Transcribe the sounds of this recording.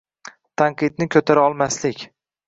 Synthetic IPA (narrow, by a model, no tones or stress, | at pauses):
t̪ʰaɴqʰɨd̪̚nɪkʲʰɵt̪ʰaɾaɒlˠmaslɪkʲ